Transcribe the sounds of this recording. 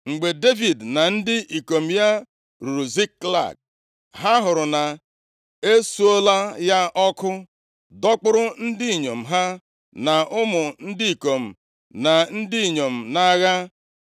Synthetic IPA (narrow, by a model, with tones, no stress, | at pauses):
ŋ͡m̩˨ɡ͡be˨de˦vi˨dna˨n̩˦dɪ˦ʔi˨ko˨m̩˨ja˦ | ɾu˨ɾu˨zi˦kːla̰˨k̚ | ɦa˦ɦʊ˨ɾʊ˨na˨ | e˦su˦o˦la˦ja˦ʔɔ˦kʊ˦ | dɔ˦k͡pʊ˦ɾʊ˦n̩˦dɪ˦i˨ɲo˨m̩˨ɦa˦ | na˨ʊ˦mʊ˨n̩˦dɪ˦i˨ko˨m̩˨ | na˨n̩˦dɪ˦i˨ɲo˨m̩˨na˦ɣa˦